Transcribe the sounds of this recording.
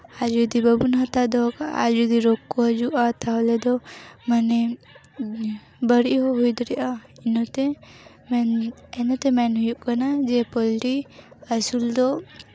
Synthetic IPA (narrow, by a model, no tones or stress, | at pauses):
ad͡ʒud̪ibəbunɦat̪ad̪ɔkaa̰d͡ʒud̪iɾokːɔɦəd͡ʒuʔat̪ʰaɦɔlɛd̪ɔmanɛ | bəɽiɦɔɦujd̪ɔɾɛʔainɔt̪ɛ | mɛnɛnɔt̪ɛmɛnɦujuʔkanad͡ʒɛpɔlʈiəsuld̪ɔ